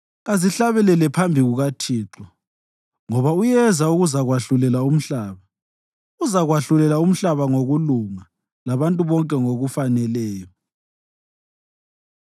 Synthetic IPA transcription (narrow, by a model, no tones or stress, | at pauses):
ɣaziɬaβɛlɛlɛpʰambʱiɣuɣatʰiːǁɔ | ŋɔβaujɛzauɣuzaɣwaɬulɛlaum̩ɬaːβa | uzaɣwaɬulɛlaum̩ɬaβaŋoɣuluŋa | laβantʼuβɔŋkʼɛŋoɣufanɛlɛːjɔ